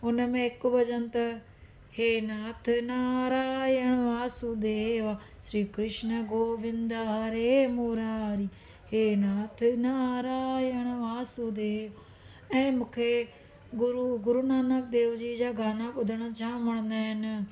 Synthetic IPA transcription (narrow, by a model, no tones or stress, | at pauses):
ʊnəmɛ̃ːɪkbəd͡ʒənt̪a | heːnaːt̪ʰnaːɾaːjəɳʋaːsud̪eʋaː | ʃɾiːkɾɪʃnəɡoːʋɪnd̪aɾeːmoːɾaːɾiː | heːnaːt̪ʰnaːɾaːjəɳ̃ʋaːsud̪eː | ɛ̃ːmʊkʰeː | ɡʊɾuɡʊɾuːnaːnək̚d̪eːʋd͡ʒiːd͡ʒaːɡaːnãːpʊd̪əɽat͡ʃʰãːməɳ̃d̪aːɦɪn